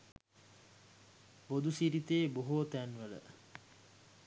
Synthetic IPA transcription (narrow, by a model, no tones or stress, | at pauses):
bod̪usiɾit̪eːboɦot̪ænʋələ̰